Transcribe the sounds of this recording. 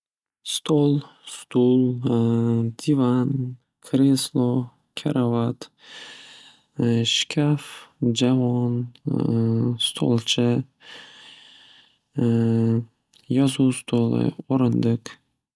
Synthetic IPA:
st̪ʰolˠ | st̪ulˠ | d̪̥ivan | kʰɾislˠɔ | kʲʰaɾavat̪ | ʃkʲʰafd͡ʒavɒn | st̪ʰo̰lˠt͡ʃʰɪ | jɒzust̪ʰolˠɪ̰oɾɨnd̪ɪk

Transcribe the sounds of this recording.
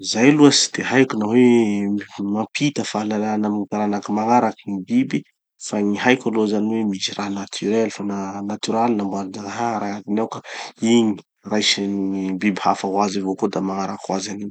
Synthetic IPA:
izajluəsi̥d̪̥eɦajkʲunawe | mampʰit̪əfalalanamiikaɾanakimaŋaɾakənibibi | faŋiɦajkʲalozaniwemiziranat̪ʰyɾelfananat̪yɾalinambuaɾad͡ʒaŋaɦaɾaad̪inawkaiɲi̥ | rajʃinibibihafawazivokod̪amaŋaɾakuwazanin

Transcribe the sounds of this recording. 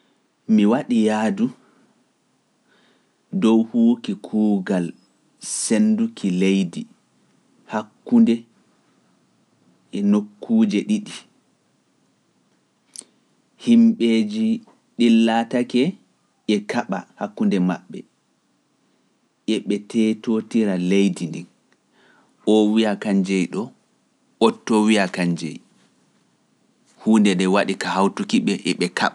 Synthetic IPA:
miwaɗijaːdu | dɔwhuːkikʰuːɡal | sendukʰilejdi | hakːundɛ | ʔɛnokʰːuːd͡ʒɛɗiɗi | himɓed͡ʒi | ɗilːatakɛ | ʔɛkaɓahakːundɛma̰ɓːɛ̰ | ʔɛɓɛtɛtotiɾalejdindin | ɔwijakaɲd͡ʒɛjɗɔ | ɔtːɔwiakaɲd͡ʒɛ̰j | huːndɛɗɛwaɗikahawtukiɓɛʔɛɓɛkaɓa

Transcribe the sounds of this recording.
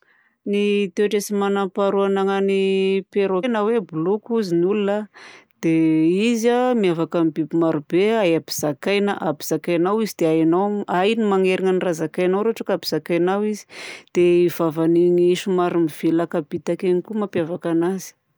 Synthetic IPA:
nit̪ewaʈ͡ʂesimanampaɾuanaŋanipeɾonəwebulukuzinulunəd̪̥eizamiavakamibibimaɾubeajabi̥z̥akajnaʔabiz̥akajnawizid̪eajanaajnimaŋeɾiŋənirazakajnawɾoʈ͡ʂakabiz̥akajnawizi̥d̪̥eiv̥avaniŋiʃumaɾimiv̥elakabit̪akenikumapjavakanazi̥

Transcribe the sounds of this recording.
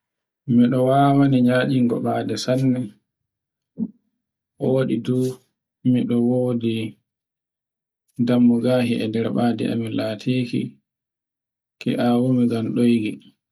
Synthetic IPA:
miɗɔwaːwaniɲaːɗiŋɡɔ̰ɓaːdɛsanːɛ | ʔoːɗiduː | miɗɔwoːdi | damːuɡaːhiʔɛ̰dɛɾɓaːdɛ̰a̰milatʰiːkḭ | kɛ̰ʔawumiɡamɗojɡi

